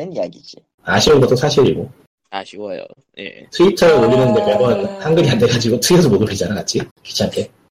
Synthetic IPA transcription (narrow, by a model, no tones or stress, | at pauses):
aɕʰimɯnɡʌt͈osʰaɕʰiɾḭɡo | o̰ | tʰɯitʰʌɾɯoʎːinɯndemjʌbʌnhaŋɡɯɾiandeɡad͡ʑiɡotʰɯɡjʌsʰʌmodupʰed͡ʑianaɡat͡ɕʰiki̥t͡ɕʰank͈ʰe